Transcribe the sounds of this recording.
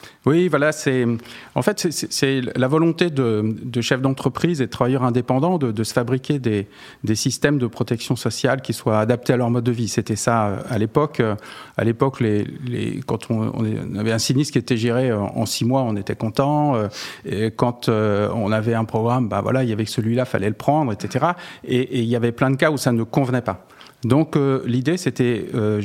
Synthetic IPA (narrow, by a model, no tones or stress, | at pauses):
wivwalasɛɑ̰̃fɛt̪sɛsɛsɛllavɔlɔ̃t̪ed̪əd̪əʃɛfd̪ɑ̃t̪χəpχized̪ət̪χavajœʁɛ̃d̪epɑ̃d̪ɑ̃d̪əd̪əsə̥fabʁikʲed̪e | d̪esist̪ɛmd̪əpχɔt̪ɛksjɔ̃sɔsjalkʲiswaːd̪ap̚t̪ealœʁmɔd̪ːəviset̪ɛsaø̰alepɔkøa̰lepɔklelḛkɑ̃t̪ʰɔ̰̃nḛ̃navɛɛ̃sinist̪kʲiet̪ɛʒeʁeø̰ɑ̰̃simwaɔ̃net̪ɛkɔ̃t̪ɑ̃økɑ̃t̪øɔ̰̃navɛɛ̃pχɔɡʁamba̰vwa̰lailjavɛsəlɥilafa̰lɛləpχɑ̃d̪ʁet̪set̪eʁaeʔːiljavɛplɛ̃d̪əkausanəkɔ̃vnɛpa | d̪ɔ̃kølid̪eset̪ɛø